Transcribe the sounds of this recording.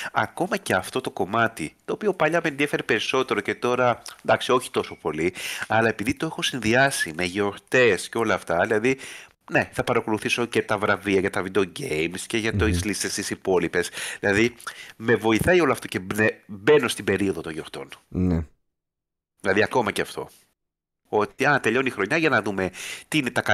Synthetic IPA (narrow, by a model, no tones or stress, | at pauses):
ɐ̰ko̞mɐceɐft̪o̞t̪o̞ko̞mɐt̪it̪o̞ːpio̞pɐʎɐmenðie̞feɾepe̞ɾiso̞t̪e̞ɾo̞ce̞t̪o̞ɾɐnd̪ɐksio̞çi̥t̪o̞so̞po̞liɐlɐe̞piðit̪o̞exo̞sinðiɐsime̞ʝo̞ɾt̪e̞sceo̞lɐːft̪ɐðilɐði | ne̞θɐpɐɾɐko̞luθiso̞ce̞t̪ɐvɾɐviɐʝɐt̪ɐvid̪eoɟejmsceʝɐt̪zlist̪est̪isipo̞lipe̞sðilɐðime̞vo̞iθɐio̞loɐft̪o̞ce̞nebe̞no̞st̪ibe̞ɾio̞ðo̞t̪oʝo̞ɾt̪o̞̰nne | ðilɐðiɐko̞mɐceɐft̪o̞̰ | o̞t̪iɐt̪e̞ʎo̞nixɾo̞ɲɐʝɐnɐðume̞t̪iine̞t̪ɐkɐ